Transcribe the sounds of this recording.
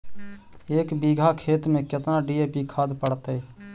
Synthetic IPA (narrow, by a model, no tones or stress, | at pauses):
eːkbiːɡʱaːkʰeːt̪mẽːkɪt̪naːɖiːeːpikʰaːd̪pəɽt̪eː